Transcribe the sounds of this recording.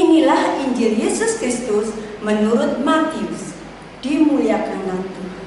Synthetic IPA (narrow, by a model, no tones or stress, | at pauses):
inilahiɲd͡ʒɪljesʊskɾɪst̪ʊsmənuɾʊt̪̚mat̪iʊs | d̪̥imuljakanant̪u